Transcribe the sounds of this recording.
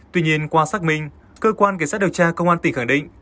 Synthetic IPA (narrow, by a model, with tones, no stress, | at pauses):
t̪wi˧ɲi˧ənkwaː˧saː˦˥k̚mï˧ŋ̟ | kəː˧kwaː˧nka˧˩ŋsaː˦˥ɗə˨wt͡ɕaː˧kə˧wŋ͡mʔaː˧nt̪ï˨˩xa˧˩ŋɗḭ̈˧˨ŋ